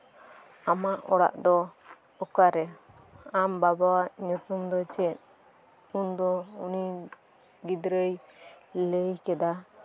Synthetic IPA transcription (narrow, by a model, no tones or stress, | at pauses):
amaʔɔɽa̰ʔd̪ɔ | ɔkaɾɛ | ambabawaʔɲut̪umd̪ɔt͡ʃɛt̪̚ | und̪ɔuni | ɡid̪ɾəjləjkɛd̪a